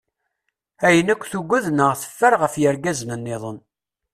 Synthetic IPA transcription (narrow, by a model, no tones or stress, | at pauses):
æjənækʷːθuɡʷːuðnəʁθə̥fːəɾʁəfjəɾɡæznənːɪðˤən